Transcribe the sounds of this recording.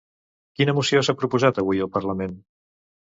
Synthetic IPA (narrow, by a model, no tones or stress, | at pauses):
kinəmusiosapɾupuzat̪əβ̞ujəlˠpərləmen